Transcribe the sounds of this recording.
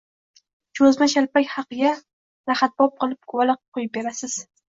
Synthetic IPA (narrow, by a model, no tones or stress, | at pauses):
t͡ʃʰɵzmaʃalpakʲhɑqɨɡʲa | ɾaχat̪̚b̥ɒp̚qɨlˠɪp̚kʰʊwalˠɨq̚qʰojɪp̚be̞ɾasɪz̥